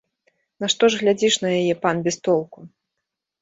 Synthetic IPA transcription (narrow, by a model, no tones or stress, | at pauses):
naʂt̪ɔʐɣlʲad͡zʲiʂnɐjajɛpanbʲɛst̪ɔlˠku